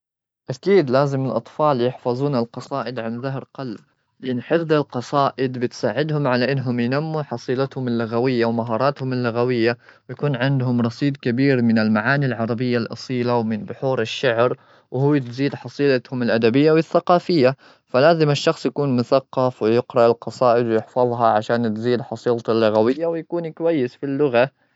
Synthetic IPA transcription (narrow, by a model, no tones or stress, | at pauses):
ʔakiːd̪laːzɪmɪlʔɑt̪ˤfɑːljɪħfɑzˤuːnalqɑsˤɑːʔɪd̪ʕanðaɦɾqɑlb̚ | lɪʔɪnːħɪfðˤɪlqɑsˤɑːʔɪd̪bɪt̪saːʕɪd̪hʊmʕalaʔɪnːɦʊmjnamːuħɑsˤiːlat̪hʊmɪlːʊɣawɪjːawmaɦɑːɾˤɑːt̪hʊmɪlːʊɣawɪjːawjakuːnʕɪnd̪ɦʊmɾˤɑsˤiːd̪kabiːɾmɪnɪlmaʕaːnilʕɑɾˤɑbɪjːalʔɑ̰sˤiːlawmɪnbʊħuːɾɪʃːaʕɾ | whuːt̪ziːd̪ħɑsˤiːlat̪hʊmɪlʔad̪abɪjːawɪθːaqɑːfɪjːa | falaːzɪmɪʃːɑxsˤjakuːnmʊθaqːɑfwɪjɪqɾɑʔɪlqɑsˤɑːʔɪd̪wjɪħfɑðˤɦɑʕaʃaːnt̪ziːd̪ħɑsˤiːlt̪alːʊɣawɪjːawɪjakuːnikwajːɪsfilːʊɣa